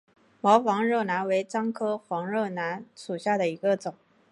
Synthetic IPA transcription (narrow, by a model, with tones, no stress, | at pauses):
mɑ˧˥ʊfɑ˧˥ŋɻɤ˥˩na˧˥nwe˧˥ɪʈ͡ʂɑ˥ŋkʰɤ˥xwɑ˧˥ŋɻɤ˥˩na˧˥nʂu˨˩ɕja˥˩d̪ə˩i˧˥ɡə˧t͡sʊ˨˩˦ŋ